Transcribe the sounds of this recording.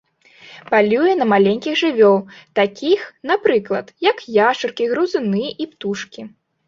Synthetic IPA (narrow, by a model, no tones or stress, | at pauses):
palʲujɛnɐmalʲenʲkʲiɣʐɨvʲɔlˠt̪akʲixn̪apɾɨklˠɐt̪jɐkjaʂɨrkʲiɣɾuzɨnɨʔipt̪uʂkʲi